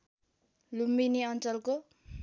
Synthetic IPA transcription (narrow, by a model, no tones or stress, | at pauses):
lumbiniʌnt͡sʌlko